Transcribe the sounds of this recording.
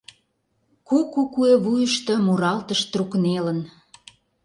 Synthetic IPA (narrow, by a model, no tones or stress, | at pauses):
kukukueβujəʃt̪ɤ̆muɾɑlt̪ə̆ʃt̪ruknelən